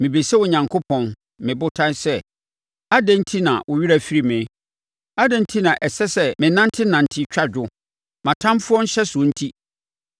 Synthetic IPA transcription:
mɪ̃˨be˨sɛ˦wʊ˨ɲã˨ŋkʰo˦pʰɔ̃˨n | mɪ̃˨bʊ˦tʰã˦n˦sɛ˦ | a˦dæ̃˦n̩˦tʰi˦nã̰˨wʔʊ˨ɥi˦ɾæ˨fi˦ɾi˦˨mɪ̃˨˦ | a˦dæ̃˦n̩˦tʰi˦nã˨ʔɛ˨sɛ˦sɛ˦mɪ̃˨nã˦n˦tʰɪ˦nã˨n̩˨tʰɪ˦t͡ɕᶣa˦d͡ʑᶣʊ˦ | mã˨tʰã˦mfʊ˦ɔ̃˦n̩˦ɕɛ˦sʊ˨õ˨n̩˦tʰi˦

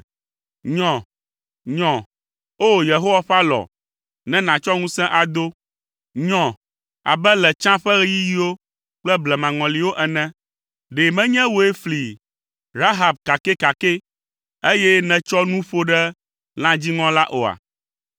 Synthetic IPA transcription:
ɲɔ̃˨ | ɲɔ̃˨ | o˦˨je˨ɦo˦wa˦ɸa˦lɔ̰˨ | nɛ̃˦nã˨t͡ʃɔ˦ŋũ˦sɛ̃˦ʔa˨d̪o˦ | ɲɔ̃˨ | a̰˨bɛ˦lɛ˨t͡ʃã˦ɸɛ˦ɣɛ˦ji˦ji˦wo˦ | k͡plɛ˦blɛ˨mã˨ŋɔ̃˨li˨wo˦ʔɛ˨nɛ̃˦ | ɖe˨mɛ̃˦ɲɛ̃˦wo˨e˦fli˨ | ɾa˦ɦa˨b̚ka˨ke˦ka˨ke˦ | e˦jɛ˦nɛ̃˨t͡ʃɔ˦nũ˦ɸo˦ɖɛ˦ | l̃ã˦d͡ʑi˦ŋɔ̃˦la˦ʔo˨a̰˨

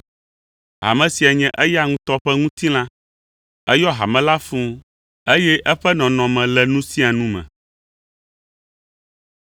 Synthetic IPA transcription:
ɦa̰˨mɛ̃˨si˨a˨ɲɛ̃˨ʔɛ˦ja˦ŋũ˦t̪ɔ˦ɸɛ˦ŋũ˦t̪i˦l̃ã˦ | ɛ˦jɔ˦ɦa̰˨mɛ̃˨la˦fũ˦ | e˦jɛ˦ʔɛ˦ɸɛ˦nɔ̃˨nɔ̃˨mɛ̃˨lɛ˨nũ˦sĩ˦a˨nũ˦mɛ̰̃˨

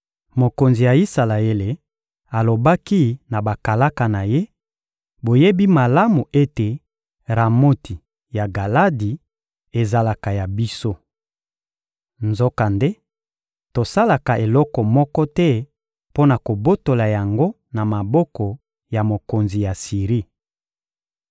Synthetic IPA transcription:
mo˨ko˨nzi˨ja˨i˦sa˨la˨e˦le˨ | a˨lo˨ba˦ki˦na˨ba˨ka˨la˦ka˨na˨je˦ | bo˨je˦bi˦ma˨la˦mu˨ʔe˦te˨ | ʁa˨mo˦tʰi˨ | ja˨ɡa˨la˦di˨ | e˨za˦la˨ka˨ja˨bi˦so˦ | nzo˦ka˨nde˦ | to˨sa˦la˨ka˨e˨lɔ˦kɔ˨mɔ˦kɔ˦tɛ˦ | po˦na˨ko˨bo˦to˨la˨ja˨ŋɡo˦ | na˨ma˨bɔ˦kɔ˨ | ja˨mo˨ko˨nzi˨ja˨si˨ʁi˦

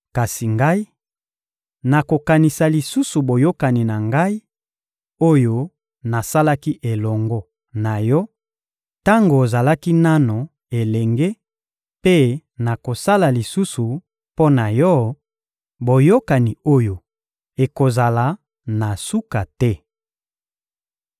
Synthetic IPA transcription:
ka˨si˨ŋɡa˦i˦ | na˨ko˨ka˨ni˨sa˨li˨su˦su˨bo˨jo˦ka˨ni˨na˨ŋɡa˦i˦ | o˦jo˦ | na˨sa˦la˦ki˦ʔe˨lɔ˨ŋɡɔ˦ | na˨jɔ˦ | ta˦ŋɡo˨za˨la˦ki˦na˦no˨ | e˨lɛ˨ŋɡe˦ | pe˦na˨ko˨sa˦la˨li˨su˦su˨ | po˦na˨jɔ˦ | bo˨jo˦ka˨ni˨o˦jo˨ | e˨ko˨za˨la˨ | na˨su˦ka˨tɛ˦

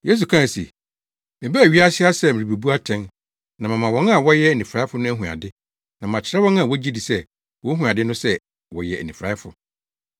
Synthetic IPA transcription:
je˦s̬u˨kʰã˦˨sḭ˨ | mɪ̃˨bɛ˦æ˨ɥi˦a˦sɪ˦a˦sɛ˦mɪ̃˨bi˨bu˦a˦tʰɛ̃˦n | nã˨mã˨mã˨wɔ̃˦a˨wɔ˦jɛ˦æ˨nĩ˨fɾa˦ɪ˦fʊ˦nʊ̃˦æ˦ɦũ˨a̰˨dɪ˦ | nã˨mã˨t͡ɕʰɪ˦ɾɛ˦wɔ̃˦n˦ã˨wɔ˦d͡ʑi˦di˨sɛ˦ | wɔ̃˦ɦũ˨a˨dɪ˦nʊ̃˦sɛ˦ | wɔ˨jɛ̰˨æ̰˨nĩ˨fɾaː˨˦fʊ̰˨

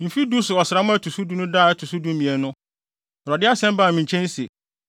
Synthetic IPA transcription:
m̩˨fi˦du˦sʊ˨ɔ˨sɪ˨ɾa˦mʊ̃˦æ˦tʰu˨su˦du˦nʊ̃˦daː˦˨ɛ˦tʰu˨su˦dũ˦m̩˦mĩ˨ɛ˨nʊ̃˦˨ | ɾɔ˨dɪ˦a˦sɛ̃˦m˦baː˦˨mɪ̃˨ɲ̩˨t͡ɕʰɛ̃˦n̩˦sḛ˨

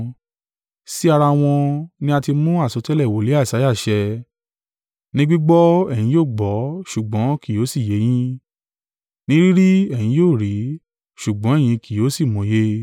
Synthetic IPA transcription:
si˦a˧ɾa˧w̃ɔ̃˧nĩ˦a˧ti˧mũ˦a˦˨sɔ˨˧tɛ˦lɛ˦˨wo˨le˨˦a˦˨sa˨˦ja˦˨ʃɛ˧ | nĩ˦ɡ͡bi˦ɡ͡bɔ˦ɛ˦˨j̃ĩ˨˦joː˦˨ɡ͡bɔ˨˦ʃu˨ɡ͡bɔ̃˨˦ki˨o˨˦si˦˨je˨˦j̃ĩ˦ | nĩ˦ɾi˦ɾi˦ɛ̃˦˨ĩ˨˧˦joː˦˨ɾi˨˦ | ʃu˨ɡ͡bɔ̃˨˦ɛ˦˨j̃ĩ˧ki˨jo˨˦si˦˨mɔ̃˨˦je˦

